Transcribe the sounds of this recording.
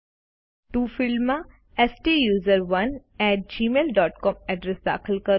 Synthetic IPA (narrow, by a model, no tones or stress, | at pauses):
t̪ufɪlmã | ɛsʈiːjuːzəɾʋɐnɛːʈ̚d͡ʒiːmeːlɖɔːʈkɔːmɛɖɾɛsd̪a̰ːkʰɪlkəɾ